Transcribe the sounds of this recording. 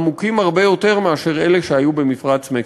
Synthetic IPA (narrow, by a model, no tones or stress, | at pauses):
mukimhaʁbe̞jo̞t̪e̞ʁmeaʃe̞ʁe̞leʃeajube̞mifʁat͡sme